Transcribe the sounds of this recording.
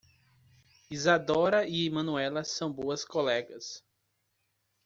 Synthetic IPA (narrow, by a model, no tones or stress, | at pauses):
izad̪ɔɾɐiemɐ̃nuɛlɐsɐ̃w̃boɐskolɛɡɐs